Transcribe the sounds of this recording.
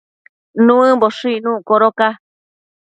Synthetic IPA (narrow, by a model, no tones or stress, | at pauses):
nũɨ̃boʂɨinũkoɾoka